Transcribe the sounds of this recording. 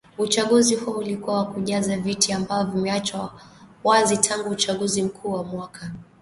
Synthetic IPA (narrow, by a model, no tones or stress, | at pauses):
ut͡ʃaɠuzihuɔulikuawakuʄazavitiambaɔvumɛat͡ʃawazitʰaŋɡuːt͡ʃaɠuzim̩kʰuːwamwakʰa